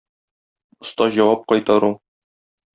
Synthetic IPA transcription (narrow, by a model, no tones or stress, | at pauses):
ŏst̪ɑʑɒwɑp̚qɒjt̪ɑɾulˠ